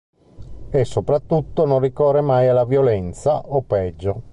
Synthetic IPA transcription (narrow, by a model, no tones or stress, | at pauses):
esːopɾat̪ːut̪ːononrikɔːremajalːavjolɛnt̪saopːɛd͡ʒːo